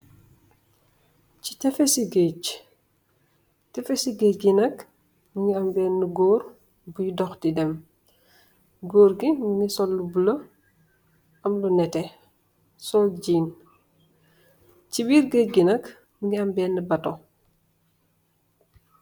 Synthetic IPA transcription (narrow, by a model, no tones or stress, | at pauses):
ci̥tɛfɛsiɡec | tɛfɛsiɡeɡinɐk | muɲiɐmbɛːnːuɡɔːɾ | bujidɔxtidɛm | ɡoːɾɡimuɲisɔlːubulɐ | ɐmlunɛtɛ | sɔlɟiːn | cibiːɾɡeɡinɐk | muɲiɐmbɛːnːibɐto